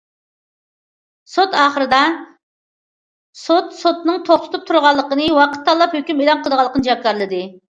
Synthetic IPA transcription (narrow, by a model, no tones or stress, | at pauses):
sot̪ɑːχəɾɨd̪ɑ | sot̪sot̪nɨŋt̪ʰoχt̪ʰʊ̥t̪ʰup̚t̪ʰuɾʁɑlˠːəqənɨwɑqʰə̥t̪ʰːɑlˠːɑphøkʲymelɑnqʰəlˠd̪əʁɑlˠːəqʰənɨd͡ʒɑp̚kʲɑɾlˠɨd̪ɨ